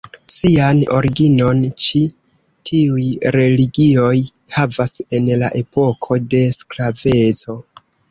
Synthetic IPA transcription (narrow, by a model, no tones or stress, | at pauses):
siano̞̰ɾiɡino̞nt͡ʃi | tʰiujɾe̞liɡio̞j | havase̞nlaʔe̞po̞kʰo̞de̞sklave̞t͡so̞